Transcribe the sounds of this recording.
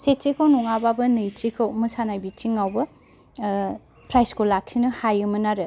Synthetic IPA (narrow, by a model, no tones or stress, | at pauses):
set̚t͡ʃikʰawnuŋababɯnɯjt͡ʃikʰɯwmɯsanajbit͡ʃiŋawbɐ | pʰɾajskolak̚sinɯhajɯmɯnaɾɯ